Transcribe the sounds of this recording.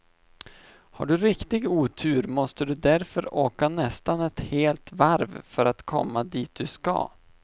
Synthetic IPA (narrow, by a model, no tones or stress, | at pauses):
ha̰ɖɵɾɪkt̪ɪɡuːt̪ʰʉːɾmɔst̪əd̪ɵd̪æɾfœɾoːkanɛst̪anɛt̪heːlt̪vaɾvfœɾat̪kʰɔ̰mːad̪iːt̪̚d̪ɵska̰